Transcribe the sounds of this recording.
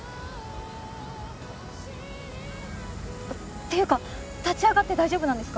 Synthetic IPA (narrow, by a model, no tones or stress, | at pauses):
t̪ːe̞jɯ̟ːka | t̪at͡ɕiaɡat̪ːe̞d̪aiʑo̞ːbɯ̟nãnd̪e̞sɨ̥k